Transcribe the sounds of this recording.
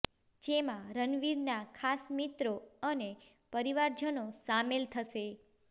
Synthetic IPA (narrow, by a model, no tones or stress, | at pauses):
d͡ʒemãɾənʋiɾnakʰasmit̪ɾoəne | pəɾiʋaɾd͡ʒənosamelt̪ʰəʃe